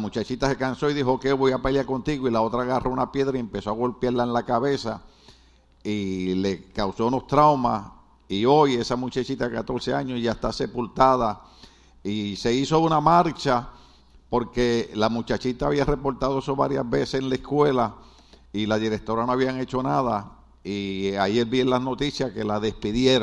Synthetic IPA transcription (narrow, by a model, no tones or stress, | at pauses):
mut͡ʃat͡ʃit̪ase̞kansoiðiɦo̞keβojapeljako̞nt̪iɣoilao̞t̪ɾaːɣarʔo̞unapje̞ðɾaiempe̞so̞aɣo̞lpjaɾlaenlakaβe̞sa | ile̞kawso̞uno̞st̪ɾawma | io̞je̞samut͡ʃat͡ʃit̪akat̪o̞ɾseaɲosʝaest̪ase̞pult̪aða | ise̞iso̞unamaɾt͡ʃa | po̞ɾke̞lamut͡ʃat͡ʃit̪aβ̞iare̞po̞ɾt̪aðo̞esoβa̰ɾja̰zbesesenlaeskwe̞la | ilaðiɾek̚t̪o̞ɾanoaβiaŋe̞t͡ʃo̞naða | iajelbjenlasno̞t̪isjahke̞laðe̞spiðjeɾ